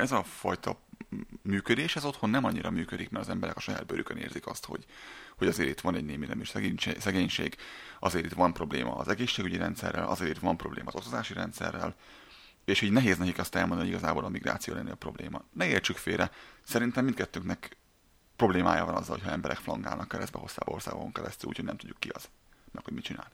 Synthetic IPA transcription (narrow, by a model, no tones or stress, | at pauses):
ɛzɒfɒjt̪ɒ | myːkød̪eːʃɛzo̞t̪ho̞nːɛmɒɲːiɾɒmyːkød̪ikmɛɾtɒzɛmbɛɾɛ̰kɒ̥ʃɒja̰ːd̪bøɾʔykønḛːrzikɒst̪ho̞̰ɟhoɟɒzeːɾit̪ʋɒnɛɟneːminɛmiʃsɲsɛɡeːɲʃḛːɡɒzeːɾit̪ʋɒmpro̞blḛːmʔɒ̰ːzɛɡeːʃːeːɡyɟiɾɛnt̪sɛ̰rːɛlʔɒ̰zeːɾit̪ʋɒmpro̞blḛːmɒzo̞kt̪ozaːʃiɾɛnt̪sɛ̰rːɛ̰l | eːʃhiːɟnɛɦeːznɛkikɛst̪ɛlmond̪nijɟiɡɒzaːboːlɒmiɡra̰ːt̪sijoːlɛnːeɒpro̞blḛːmɒnɛeːlt͡ʃykfeːɾɛsɛɾint̪ɛmːin̚kɛt̪ːøːknɛk | pro̞bleːmaːjaːvɒnɒzːɒlhocʰhɒɛmbɛɾʔɛkflɒŋɡaːlnɒkːɛɾɛ̰zd̪bɛ̰ɦo̞saːbɒorsa̰ːɡokoŋkɛɾɛst̪yluːcʰho̥nɛmt̪uɟːukːiɒz̥ | mɛkhoɟmit͡ʃina̰ːli